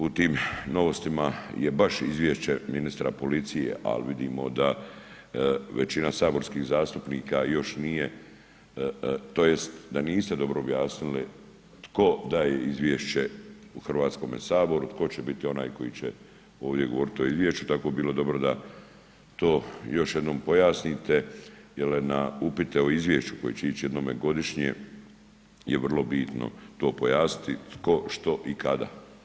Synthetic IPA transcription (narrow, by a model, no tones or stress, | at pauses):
ut̪iːmno̞ʋost̪imajebaʃizʋjeʃt͡ɕeminist̪ɾapo̞lit̪sijḛʔa̰lʋid̪iːmo̞̰d̪a | ʋet͡ɕinasaːbo̞ɾskixzaːst̪upniːkajo̞ʃnije | t̪ojest̪d̪aniːst̪ed̪o̞bɾoːbjaːsnili | t̪ko̞d̪aːjeizʋʲjeʃt͡ɕeuxr̩ʋaːt̪sko̞ːmesaːbo̞ɾut̪ko̞t͡ɕebit̪io̞na̰ːjko̞jit͡ɕḛ | oːʋd̪je̞ɡo̞ʋo̞ɾit̪io̞izʋjeʃt͡ʃut̪akoebiːlo̞d̪o̞bɾod̪a | t̪o̞ːjo̞ʃjed̪noːmpo̞jaːsniːt̪ejelna̰upit̪eo̞izʋje̞ʃt͡ʃu̥ko̞jeːt͡ɕeit͡ɕije̞d̪noːmeɡo̞d̪iʃɲḛ | jḛʋr̩lˠo̞biːt̪no̰t̪o̞ːpojaːsni̥t̪it̪ko̞ʃt̪o̞ʔikad̪a̰